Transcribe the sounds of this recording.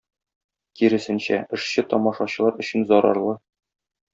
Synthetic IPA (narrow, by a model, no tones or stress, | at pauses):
kiɾɘ̆sɘ̆nɕæɘ̆ʃɕɘt̪ɒmɑʃɑɕɤ̆lˠɑɾɵ̆ɕɘnzɒɾɑ̰ɾlˠɤ